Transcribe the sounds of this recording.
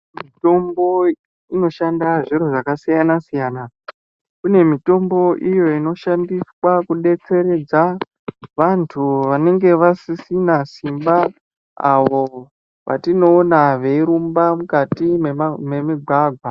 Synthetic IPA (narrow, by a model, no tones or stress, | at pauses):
mito̞mbo̞ | ino̞ʃandaʐiɾoʐakasijanasijaːna | kune̞mito̞mbo̞ʔijo̞ino̞ʃandiswakuɗe̞t͡se̞ɾe̞d͡za | ʋantʰuʋane̞ŋɡe̞ʋasisinasimba | a̰ʋo̞ | ʋa̰tino̞ːnaʋe̞iɾumbamukatimememiɡʱwaɡʱwa